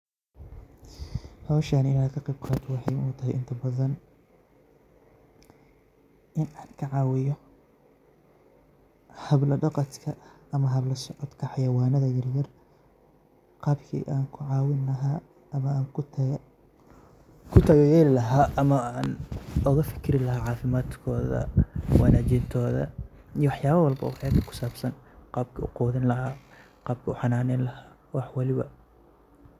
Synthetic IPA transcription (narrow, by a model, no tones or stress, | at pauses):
hɐlɐʃaːnɪnaːd̪̚kʰɐqɑjbqʰɑːt̪ʰɔwɑħɑjnʊt̪ʰɐɦɪjʔɪnt̪ʰɐbɐðɐn | ʔɪnaːnkʰɐʕɑwɪjɔ | hɐblɐɖɑqɑt̪kʰɐː | mɐɦɐblɐsɔʕɔd̪kʰɑħɑjɐwɑːnɐðɐjɐrjɐr | qɑːbkʰḭːʔaːŋkʰʊʕɑːwɪnɐɦa | mɐŋ | kʰʊt̪ʰɐjjɛnlɐɦaːɐmɐaːnɔɣɐfɪ̥kʰɪɾɪlɐɦaːʕɑːfɪmaːd̪kʰɔːðɐ̰waːnaːt͡ʃɪnt̪ʰɔːðɐ̰ | ijwɑħjaːβɐwɐlbɐ̰wɑħɛːt̪kʰɐ̥kʰʊ̥saːbsɐnqɑːb̚kʰɐʊqɔːðɪnlɐhaː | qɑːb̚kʰɐʊħɑnaːnɛjnlɐhaː | wɑħwɑlɪβɐ̰